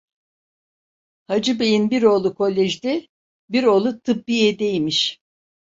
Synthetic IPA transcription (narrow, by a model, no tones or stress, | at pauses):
had͡ʒɯbe̞jinbiɾo̞ːlˠukʰo̞lʲːeʒd̪ʲɛ | biɾo̞ːlˠut̪ʰɯp̚biɛd̪ejmiʃ